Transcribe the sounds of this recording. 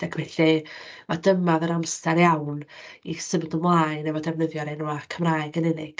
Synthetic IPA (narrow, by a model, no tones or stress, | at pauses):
d̥akʰbɛɬivadəmaðəɾamstaɾjawnisəvdʊmlˠajnɛvɔdɛvnəðjɔɾenuakʰəmraɨɡənɛnɪɡ̥